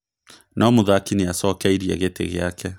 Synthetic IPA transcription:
nʔaɔmoðakineasɔkɛiɾiaɣetḛɣḛakʰɛ

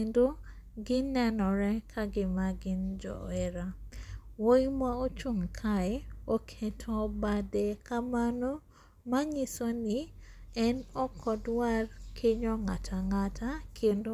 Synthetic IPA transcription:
endo | ɡɪnɛnɔɾɛkʰaɡɪmaɡɪnd͡ʒɔ̰ɛɾa | wojmaot͡ʃuŋkʰaeokʰetʰobadekamano | maɲisoniɛnɔkʰɔdwarkʰeɲɔŋatʰaŋatʰakʰendo

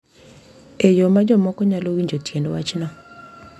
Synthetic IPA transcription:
ejomad͡ʒɔmɔkɔɲalowiɲd͡ʒotjendwat͡ʃnɔ

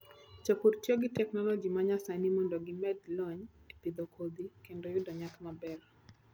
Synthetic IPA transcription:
t͡ʃopuɾtjoɡɪtɛknɔlɔd͡ʒimaɲasanimɔndɔɡɪmɛdlɔɲepid̪ɔkʰod̪ikendɔjʊdɔɲak̪mabɛr

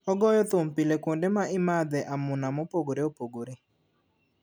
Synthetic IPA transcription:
ɔɡɔjɔt̪ʊmpilekwondemaɪmad̪ɛʔamʊnamɔpoɡoɾeopoɡoɾe

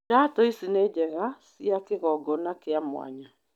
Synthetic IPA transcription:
atoisined͡ʒɛɣasiakeɣɔɡɔnakeamw̰a̰ɲa

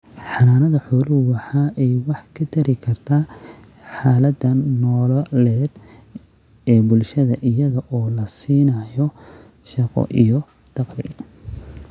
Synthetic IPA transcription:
ħɑnaːnɐðɐħʊlʊwɑħɑːʔɛjwɑħkʰɐt̪ʰɐɾɪkʰɐrt̪ʰaːħaːlɐd̪ɐnnɔːlɔlɛːd̪ | ɛːbʊlʃɐðɐʔɪjɐðɐʔɔːlɐsiːnɐjɔʃɑqɔ̰ʔijɔd̪̥ɑqlɪ̰

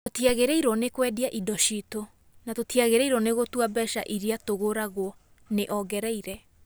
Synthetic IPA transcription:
otiaɣeɾɛiɾɔnekwɛdiaʔidɔɕito | natotiaɣeɾɛiɾɔneɣotwabɛʃa̰ʔiɾiatoɣoɾaɣwɔ | neʔɔɡɛɾɛiɾɛ

